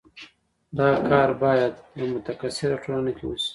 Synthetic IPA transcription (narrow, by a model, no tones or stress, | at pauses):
d̪ɑkɑɾbɑjad̪jamʊt̪akasɪɾaʈʰolanakewṵsi̥